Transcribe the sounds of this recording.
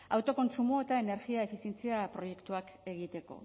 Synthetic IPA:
a̰wt̪o̞ko̞nsumoet̪ae̞ne̞ɾɣiae̞fisje̞nt͡siapɾo̞je̞kt̪uake̞ɣ̞it̪e̞ko̞̰

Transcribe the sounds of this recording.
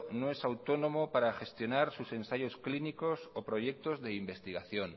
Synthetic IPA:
noesawt̪onomopaɾaxe̞st̪jo̞naɾsuse̞nsaʝosklinikosopɾoʝek̚t̪ozðeimbe̞st̪iɣ̞aθjon

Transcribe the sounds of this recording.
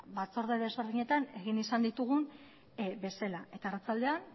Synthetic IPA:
bat͡so̞ɾðeðe̞zβe̞ɾðiɲe̞t̪ane̞ɣinisand̪it̪uɣ̞un | be̞selaʔe̞t̪aerat͡sald̪e̞an

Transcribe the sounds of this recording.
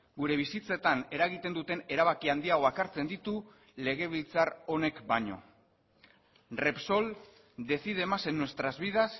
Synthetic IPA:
ɡuɾe̞βisit͡set̪ane̞ɾaɣ̞it̪e̞nd̪ut̪e̞ne̞ɾaβakiand̪iaɣo̞akaɾt͡se̞nd̪it̪u | le̞ɣ̞e̞β̞ilt͡saro̞ne̞kbaɲo̞̰ | re̞pso̞l | d̪e̞θiðe̞ːmase̞nːwe̞st̪ɾazβið̞as

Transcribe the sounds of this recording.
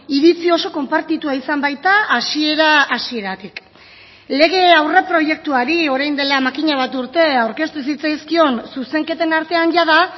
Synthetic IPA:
iðit͡sio̞so̞ko̞mpaɾt̪it̪uaisambajt̪aːsieɾaːsie̞ɾat̪ik | le̞ɣ̞e̞awrepɾo̞je̞k̚t̪uaɾio̞ɾajnd̪e̞lamakiɲaβ̞at̪uɾt̪e̞awɾke̞st̪us̬it͡sajskio̞nsuse̞ŋke̞t̪e̞naɾt̪e̞anʝaða

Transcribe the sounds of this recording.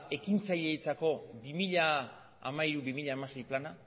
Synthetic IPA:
e̞kint͡saʎe̞it͡sako̞bimiʎa | a̰maiɾubimiʎaːmase̞jplana

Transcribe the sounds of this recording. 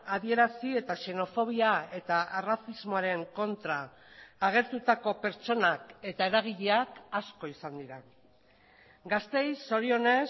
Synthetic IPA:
aðie̞ɾasie̞t̪aʃe̞no̞fo̞β̞iae̞t̪arasizmo̞aɾe̞ŋko̞nt̪ɾaː | ɣ̞e̞ɾt̪ut̪ako̞pe̞ɾt͡ʃo̞nake̞t̪ae̞ɾaɣ̞iʎe̞akasko̞isand̪iɾa | ɡast̪e̞jso̞ɾio̞ne̞

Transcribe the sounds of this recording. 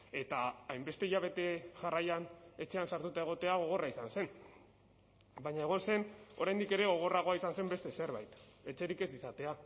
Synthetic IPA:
e̞t̪aːjmbe̞st̪e̞iʝaβ̞e̞t̪e̞ʝarajane̞t͡ʃe̞ansaɾt̪ut̪aeɣ̞o̞t̪e̞aɣ̞o̞ɣ̞o̞raisanse̞n | baɲaeɣ̞o̞nse̞no̞ɾajnd̪ike̞ɾe̞ɣ̞o̞ɣ̞o̞raɣ̞o̞aisanse̞mbe̞st̪e̞se̞ɾβajt̪e̞t͡ʃe̞ɾike̞sisat̪e̞a

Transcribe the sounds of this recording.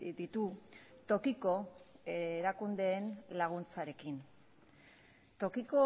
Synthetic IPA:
d̪it̪ut̪o̞kiko̞eɾakund̪e̞ːnlaɣ̞unt͡saɾe̞kin | t̪o̞kiko̞

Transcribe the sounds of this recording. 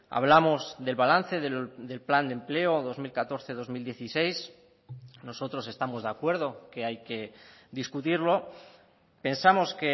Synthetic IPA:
a̰β̞lamo̞zðe̞lβalan̟θe̞ðed̪e̞lpland̪emple̞oðo̞zmilkat̪o̞ɾθe̞ðo̞zmild̪je̞θise̞js | no̞so̞t̪ɾo̞se̞st̪amo̞zðeakwe̞ɾð̞o̞ke̞ajke̞ðiskut̪iɾlo̞ | pe̞nsamo̞ske̞

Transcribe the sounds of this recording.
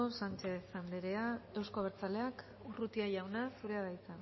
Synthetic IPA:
osant͡ʃe̞ðsand̪eɾe̞ae̞wsko̞β̞eɾt͡sale̞ak | urut̪iaʝawnasuɾe̞aðajt͡sa

